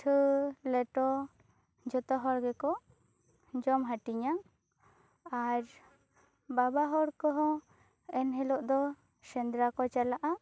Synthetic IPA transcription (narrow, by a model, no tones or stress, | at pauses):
ʈʰəlɛʈɔ | d͡ʒɔt̪ɔɦɔɾɡɛkɔ | d͡ʒɔmɦaʈiɲaŋ | aɾ | babaɦɔɾkɔɦɔ̃ | ɛnɦɛlɔʔd̪ɔ | sɛnd̪ɾakɔt͡ʃalaʔa